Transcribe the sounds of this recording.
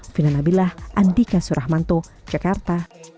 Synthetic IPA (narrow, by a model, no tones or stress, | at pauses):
finanabilahandikasuɾʔahmant̪od͡ʒakart̪a